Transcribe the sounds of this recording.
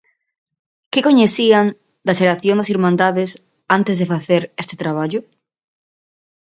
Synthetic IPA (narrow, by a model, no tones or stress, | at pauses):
kekoɲeθian | d̪aʃeɾaθjond̪asiɾmãnd̪aðes | ant̪ezðefaθeɾest̪e̥t̪ɾaβ̞aʎʊ